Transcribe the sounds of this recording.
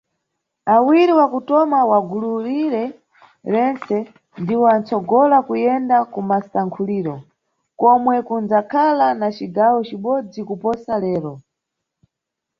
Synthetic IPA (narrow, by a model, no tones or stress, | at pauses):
awiɾiwakutɔmawaɡuluɾiɾɛ | ɾɛnt͡sɛ | ndiwɔant͡sɔɡɔlakujɛndakumasaŋkʰuliːɾɔ | kɔmwɛkund͡zakʰalanat͡ʃiɡawɔt͡ʃiɓɔd͡zikupɔsalɛːɾɔ